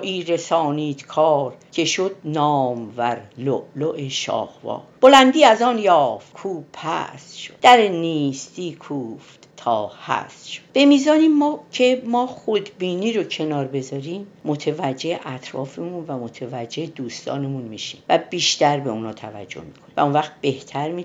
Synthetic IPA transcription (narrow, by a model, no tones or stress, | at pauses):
ʔiːɾesɒːniːt̪kʰɒːɾcʰe̞ʃod̪̚nɒːmvæɾloʔloʔeʃɒ̰ːhvɒ̰ːb̥olænd̪iːæzɒːnjɒːft̪̚kʰuːbʰhæ̰sʃo̥d̪̥æɾeniːst̪iːkʰuːft̪t̪ʰɒːhæ̰sʃod̪b̥e̞miːzɒːniːmmɒːcʰe̞mɒːχod̪biːniːɾocʰe̞nɒːɾbe̞zɒɾiːmmːot̪ʰevæd͡ʒːeeʔæt̪ʰɾɒ̰ːfemunvæmot̪ʰevæd͡ʒːeed̪uːst̪ʰɒ̰ːnemunmiːʃḭːmvæb̥iːʃt̪æɾbe̞unhɒːt̪ʰævæ̰d͡ʒːo̞̰hmi̥kʰonivæ̰unvæχt̪̚b̥eht̪ʰæɾmi